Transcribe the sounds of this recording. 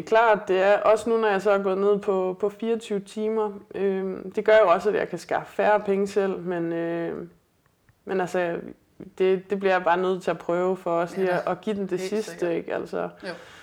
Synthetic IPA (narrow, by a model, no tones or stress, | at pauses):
kʰlɑ̰̈ːd̥e̝æɐʔɒ̽sənunɒjɑ̈ɪs̬ɒ̽hɑɡ̥ɔ̽ːð̩ˠne̝ð̞̰ˠpʰɒ̽pʰɒ̽fiːɐɒt͡sʰyʊt͡sʰiːmɐød̥e̝ɡ̥ɶɐjo̝ɒ̽sæd̥jɑ̰̈ɪkʰæsɡ̥ɑ̈ːffæːɐpʰeŋəsel̰menø | menælsə | d̥e̝d̥e̝b̥liɐjɑb̥ɑ̈ːnøð̞̰ˠt͡sʰe̝æpʰʁœːʊfɒ̽ɒ̽sliːɒʔɒ̽ɡ̥iːd̥em̩d̥e̝sisd̥əeɡ̥æl̰sɐ